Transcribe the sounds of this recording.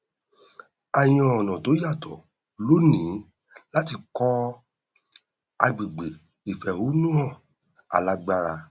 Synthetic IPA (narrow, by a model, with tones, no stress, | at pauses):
a˧j̃ɔ̃˧ɔ˨nɔ̃˨to˨˦ja˦˨tʰɔ˨ | lo˦nĩ˨˦ | la˦ti˧kɔ˦ | a˧ɡ͡bi˨ɡ͡be˨ | i˨fɛ˨ɾu˨˦nũ˦ɔ̃˦˨ | a̰˨la˨˧ɡ͡ba˧ɾa˧